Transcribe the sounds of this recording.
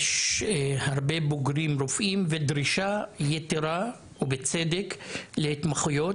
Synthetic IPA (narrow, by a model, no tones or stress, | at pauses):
jʃhaʁbeboɡɾimɾofʔimved̪ɾiʃajet̪eɾa | ubet͡sed̪eklehit̪maχujo̞t